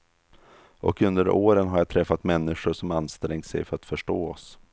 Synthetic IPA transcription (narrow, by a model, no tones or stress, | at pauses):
ʔɔkɵnd̪əɾoːɾənɦaɾjat̪ʰɾɛfːat̪mɛnːɪʂʊʂɔmanst̪ɾɛŋt̪sɛ̰jfœɾat̪fœʂʈoːɔs